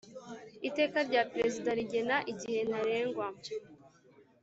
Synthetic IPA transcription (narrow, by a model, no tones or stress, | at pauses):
ite̞ːkaɾɟapɾe̞zidaɾiɟe̞naʔiɟihe̞naɾe̞ːŋɡwa